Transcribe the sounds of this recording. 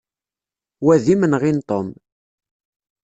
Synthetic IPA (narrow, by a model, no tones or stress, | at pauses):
wæðimənʁint̪ˤom